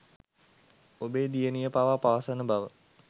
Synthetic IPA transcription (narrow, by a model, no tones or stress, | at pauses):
obed̪ijənijəpawapawasanəbaʋə